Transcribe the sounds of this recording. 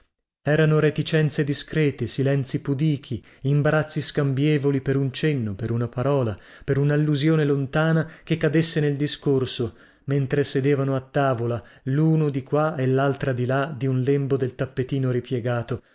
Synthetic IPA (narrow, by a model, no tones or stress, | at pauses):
ɛːɾanoɾet̪it͡ʃɛnt̪sed̪iskɾɛːt̪esilɛnt̪sipud̪iːk̟ʰi | imbaɾat̪sːiskambjɛːvolipeɾunt͡ʃenːopeɾunapaɾɔːla | peɾunalːuzjoːnelont̪aːnakekːad̪esːeneld̪iskorso | ment̪ɾesed̪eːvanoat̪ːaːvola | luːnod̪ikwaelːalt̪ɾad̪ilad̪iunlembod̪elt̪apːet̪iːnoɾipjɛɡaːt̪o